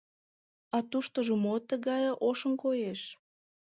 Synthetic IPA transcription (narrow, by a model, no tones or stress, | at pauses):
ɑt̪uʃt̪oʒomot̪ːəɣɑjʔoʃə̆mkojeʃ